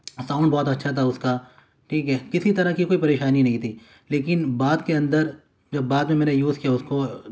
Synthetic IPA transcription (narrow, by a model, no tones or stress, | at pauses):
sãːʊ̃ɳɖbɔːt̪ɐtːʃʰat̪ʰaʊska | ʈʰiːkɦɛːkɪsit̪ɐɾəkikoːipɐɾeːʃaːninɐ̃ɦĩt̪ʰiː | leːkɪnbaːd̪keɐ̃nd̪əɾ | d͡ʒɐbːaːd̪mẽmɛːnejuːzkijaʊsko